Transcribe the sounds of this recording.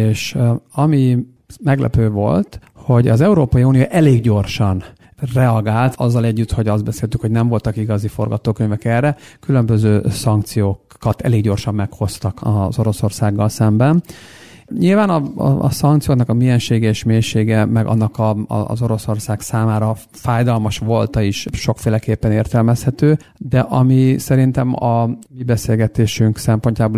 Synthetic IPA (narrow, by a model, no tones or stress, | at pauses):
eːʃɒmi | mɛɡlʔɛ̰pøːvo̞̰lt̪ | ho̞ɟɒzɛuɾoːpɒjiuːnijoːʔɛleːɡɟo̞rʃɒn | rɛɒɡaːlt̪ʰɒ̰zːɒlɛɟːyt̪ho̞ɟɒzd̪bɛseːlt̪ykho̞ɟnɛɱvo̞lt̪ɒkiɡɒzifo̞̰rɡɒt̪oːkøɲvɛkɛrːɛkylømbø̞zøːsɒŋk̚t̪sijoːkː | ɒt̪ɛ̰leːɡɟo̞rʃɒmːɛkho̞st̪ɒkʰɒzo̞ɾo̞so̞rsaːɡːɒlsɛmbɛn | ɲilvaːnɒ̰sɒŋkt̪sijoːknɒkɒmijɛnʃeːɡɛeʃmeːrʃeːɡɛmɛɡɒ̰nːɒkɒ̰zoɾo̞so̞rsaːksaːmaːɾɒ | faːjd̪ɒlmɒʃʋo̞lt̪ɒiʃʃo̞kfeːlɛkeːpːɛneːrt̪ɛlmɛshɛt̪øː | d̪ɛʔɒmisɛɾint̪ɛmɒmibɛseːlɡɛt̪eːʃyŋksɛmpo̞ɲcaːboː